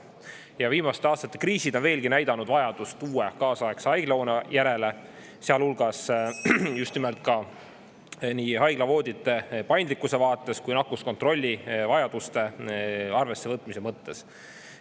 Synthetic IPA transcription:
jɑviːmɑst̪eɑːst̪ɑt̪ːˑe̞kriːsid̪o̞nve̞ːlɡ̥inæjd̪ɑnud̪vɑjɑd̪̥ust̪uːekɑːsɑeksɑjɡ̥lɑoːnejæɾe̞le | seɑlulɡ̥ɑs | just̪nimelt̪̚ˑkɑ | niːhɑjɡ̥lɑvo̞ːd̪ʲit̪ːˑe̞pɑjnd̪likˑːuse̞vɑːt̪ˑːe̞skujnɑkːˑusko̞nt̪ro̞lʲːivɑjɑd̪̥ust̪e̞ɑrve̞sːe̞vɤt̪ːˑmise̞mɤt̪ːe̞s

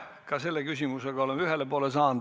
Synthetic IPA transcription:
kɑse̞lːekysʲimuseɡ̥ɑolemyɦelepoːlesɑːn

